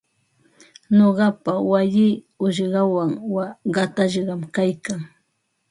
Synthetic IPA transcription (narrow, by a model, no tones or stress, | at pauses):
noɢɑpawajɪː | ʊʃɢɑwaŋwaɢɑt̪aʃɢɑmkajkaŋ